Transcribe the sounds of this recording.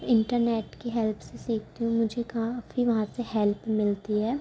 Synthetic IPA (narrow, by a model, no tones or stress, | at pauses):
ɪ̃ɳʈəɾneːʈkeɦɛlpʰsesiːk̚ʰt̪iɦũmʊd͡ʒʱekaːfiʋɐɦãseɦɛlpmɪlt̪iɦɛː